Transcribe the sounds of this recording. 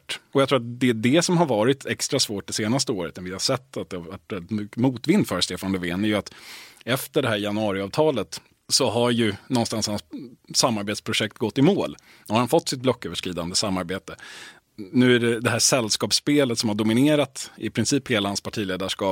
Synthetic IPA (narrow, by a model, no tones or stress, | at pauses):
ʈɔjakt̪ɾuːɾat̪d̪ɛd̪ɛsɔmɦaɾvɑːɾɪt̪ʰɛkst̪ɾasvoːʈ̚d̪ɛseːnas̬t̪əoːɾət̪ɛnvɪhasɛt̪ːat̪̚d̪ɛhavaʈvɛlːɪt̪mʏkːəmuːt̪vɪnːd̪fœɾst̪eːfanlɵveːnæɾjəat̪ɛft̪əɖɛɦæːɾjanɵɑːɾɪɑːvt̪ʰɑːlət̪ | sɔɦaɾjɵnɔnst̪anshanssamːaɾbeːt̪spʰɾʊʂɛk̚t̪ɡɔt̪ːɪmoːl | nhaɾhanfɔt̪ːsɪt̪̚blɔkːøːvəʂkɾiːd̪and̪əsamːaɾbeːt̪ə | nʉ̟ːæɖɛd̪ɛɦæːʂɛlːskɑːpspeːlət̪sɔmhaɖʊmɪneːɾat̪ɪpʰɾɪnsiːpheːlahanspʰaʈʰiːleːd̪aʂkɑːp